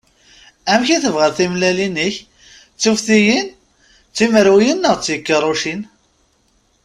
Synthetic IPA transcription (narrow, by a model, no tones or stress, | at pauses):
æmçiθəvʁæðθimlælinəç | t͡sːufθijin | t͡sːiməɾwjinːəʁt͡sːjəkːəɾˤuʃin